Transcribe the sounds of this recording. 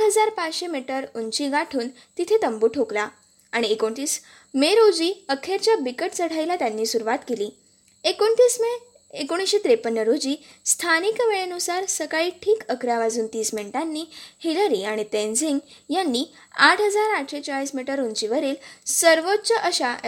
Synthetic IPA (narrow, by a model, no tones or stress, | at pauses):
ʈɦəd͡zaɾpat͡sɕemiʈəɾunt͡ɕiːɡaʈʰuːn | t̪it̪ʰet̪əmbuːʈʰokla | aɽ̃iekoɳt̪iːs | meɾod͡ʑiːəkʰeɾt͡ɕjabikəʈt͡səɽ̤ajlat̪janːiːsuɾuʋat̪keliː | ekont̪iːsme | ekoɽ̃isɕet̪ɾepənːəɾod͡ʑiː | st̪ʰanikʋeɭenusaɾsəkaɭiːʈʰiːkəkɾaʋad͡zuːnt̪iːsmeɳʈanːiːhiləɾiaɽ̃it̪ẽnd͡ziŋɡjanːiː | aʈʰɦəd͡zaɾaʈʰɕet͡ɕaɭiːsmiʈəɾunt͡ɕiʋəɾiːlsəɾʋott͡ɕəʔəɕa